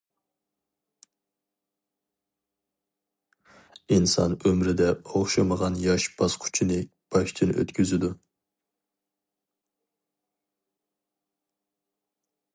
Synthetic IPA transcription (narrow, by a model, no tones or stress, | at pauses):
insɑ̰nømɾɪd̪ɛoχʃɑməʁɑnjɑʃb̥ɑsqʰy̥t͡ʃʰinɪ | b̥ɑʃt͡ʃʰinɪ̰ʔø̰t̪kʲʰyzɪd̪u